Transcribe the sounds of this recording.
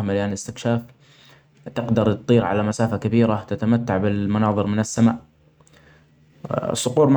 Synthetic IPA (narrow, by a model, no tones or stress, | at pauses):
maljanɪst̪ɪkʃaːf | t̪ɪqd̪ɑɾˤt̪t̪ˤiːɾʕa̰lamasaːfakabiːɾat̪at̪amat̪ːaʕbɪlmʊnɑːðˤɨɾmɪnɪsːamaːʔ | sˤːʊquːɾˤm